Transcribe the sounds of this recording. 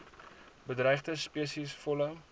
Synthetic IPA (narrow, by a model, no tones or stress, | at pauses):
bədrɛjχdəspiəsisfɔlə